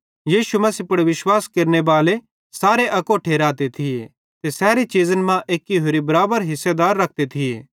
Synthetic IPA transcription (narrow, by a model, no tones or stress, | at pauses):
jiːʃumɐsipʊɽeʋɪʃwaːskeːɾnebaːle | saːɾeʔɐkoʈʰeːɾaːt̪et̪ʰie | t̪esɛːɾit͡ʃiːzənmãʔeːkːiɦoːɾibɐɾaːbəɾɦɪsːed̪aːɾːɐk̚ʰt̪et̪ʰiḛː